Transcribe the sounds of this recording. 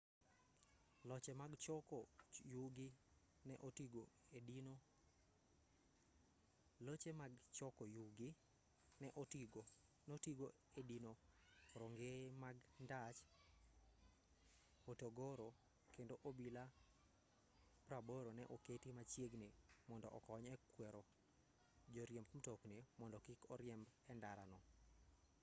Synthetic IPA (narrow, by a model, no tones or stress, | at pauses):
lɔt͡ʃɛmaɡt͡ʃɔkɔjuɡɪ | nɛʔotiɡoedino | lot͡ʃemaɡt͡ʃɔkɔjuɡi | nɛʔotiɡo | notiɡo | edinoɾoŋɡemaɡndat͡ʃ | otoɡoɾo | kendoʔobila | pɾaboɾonɛ̰ʔoketimat͡ʃjeɡnemɔndɔʔɔkɔɲɛkwɛɾo | d͡ʒoɾjembmtoknemɔndɔkɪkɔɾjɛmbɛndaɾa̰nɔ